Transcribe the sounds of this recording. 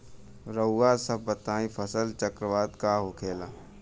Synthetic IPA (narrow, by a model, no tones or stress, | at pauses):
ɾəʊːaːsəbbət̪aːĩpʰəsəlt͡ʃəkɾəʋaːd̪kaɦoːkʰeːlaː